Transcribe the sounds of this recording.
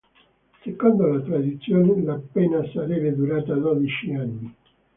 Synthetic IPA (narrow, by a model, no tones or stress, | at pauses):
sekond̪olat̪ɾad̪it̪sːjoːnelapːɛːnasaɾɛbed̪uɾaːt̪ad̪ɔd̪it͡ʃianːi